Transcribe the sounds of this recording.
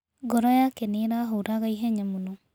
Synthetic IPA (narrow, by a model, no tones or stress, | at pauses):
ɡɔɾɔjakeniɾaɦouɾaɣaiɦɛɲamunu